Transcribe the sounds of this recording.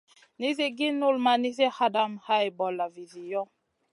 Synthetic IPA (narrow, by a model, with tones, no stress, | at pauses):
ni˦zi˦ɡi˦nu˦lma˨ni˦ze˦ha˦da˦mha˦jbɔ˨la˨vi˨zi˨jɔ˦